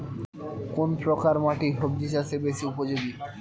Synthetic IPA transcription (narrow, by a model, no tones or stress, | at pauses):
konpɾokaɾmaʈiɦob̚d͡ʑiʃasebeʃiupod͡ʑoɡi